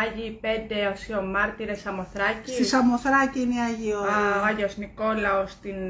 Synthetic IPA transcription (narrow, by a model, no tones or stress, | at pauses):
ɐʝiːpend̪e̞osio̞mɐɾt̪iɾesɐmo̞θɾɐcit̪isɐmoθɾɐciiniɐʝioɐʝosniko̞lɐost̪in